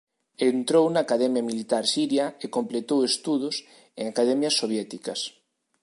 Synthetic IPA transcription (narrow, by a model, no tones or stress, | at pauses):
ent̪ɾownaːkaðɛmjamilit̪aɾsiɾjaekomplet̪owest̪uðʊs | eŋakaðɛmjɐsːoβ̞jɛt̪ikɐs